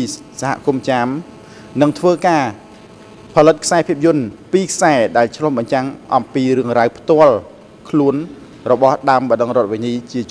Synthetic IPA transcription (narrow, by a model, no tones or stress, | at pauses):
saɦa̰ʔkumt͡ɕam | nɨŋt̪ʰʋəːkaː | pʰɑlɨt̪̚kʰsaɛpʰiəp̚jʊənpiːkʰsaɛɗaɛlt͡ɕʰlohɓɑɲt͡ɕaŋʔɑmpiːɾɨəŋrawpʰt̪ŏəl | kʰluən | rɔɓɑhɗaəmɓɑɗəŋrŏət̪̚ʋiɲiːt͡ɕiət͡ɕ